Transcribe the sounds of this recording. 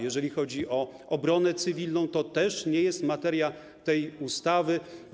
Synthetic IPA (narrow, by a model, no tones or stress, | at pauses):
jɛʐɛlʲixɔd͡ʑiʔɔ | ɔbɾɔnɛt̪sɘvʲilnɔ̃w̃t̪ɔt̪ɛʂɲɛjɛst̪mat̪ɛɾʲja | t̪ɛjust̪avɘ